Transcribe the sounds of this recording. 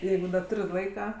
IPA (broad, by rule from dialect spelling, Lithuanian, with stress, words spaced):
ˈjɛɪɡʊ dɐ ˈtʊrʲ ˈlˠɐɪkɐ